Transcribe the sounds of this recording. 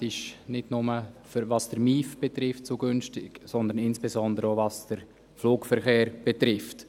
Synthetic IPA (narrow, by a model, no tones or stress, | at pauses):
ɪʃnɪdnʊməfəɾvɑsd̥əɾmiːfb̥ɛtɾɪftt͡suɡʏnʃtɪ̰ksɔnd̪ənɪnsb̥ɛzɔndəɾəovɑsd̥əɾ | fluːkfəɾχeːɾb̥ɛtɾɪft